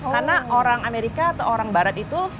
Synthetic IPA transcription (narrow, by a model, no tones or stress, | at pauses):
karnaoɾaŋameɾikaːt̪awoɾaŋbaɾat̪it̪u